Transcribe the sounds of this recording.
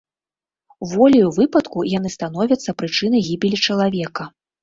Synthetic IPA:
wvɔlʲiuvɨpɐt̪kujanɨst̪an̪ɔvʲɐt̪sːɐpɾɨt͡ʂɨnɐjɣʲibʲilʲit͡ʂɐlˠavʲɛkɐ

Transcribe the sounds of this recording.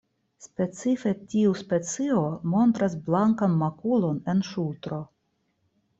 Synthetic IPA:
spe̞t͡sife̞tiuspe̞t͡sio̞mo̞nt̪ɾasblaŋkanmakulo̞ne̞nʃultɾo̞

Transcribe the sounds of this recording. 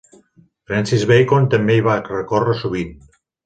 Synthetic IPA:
fɾɛnsizβejkont̪əmbeiβarəkorəsuβ̞in

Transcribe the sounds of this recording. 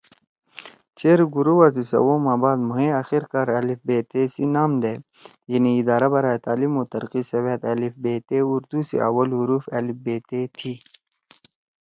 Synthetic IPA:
t͡ʃeɾɡuɾuwazisɐ̰woːmãːbaːd̪muɦẽɐxiɾkaɾɐlifbeːt̪esinaːmd̪eː | jɐniːd̪aːɾabɐɾaːet̪aːlimot̪ɐɾqisɐweːt̪ɐlifbeːt̪euɾd̪usḛɐ̰wɐlɦuɾuːfelifbeːt̪et̪ʰi

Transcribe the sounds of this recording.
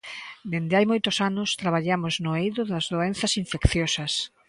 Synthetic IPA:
d̪end̪ɪajmojt̪ʊsanʊst̪ɾaβaʎamoznʊejðʊðɐzðoenθɐsiɱfekθjosɐs

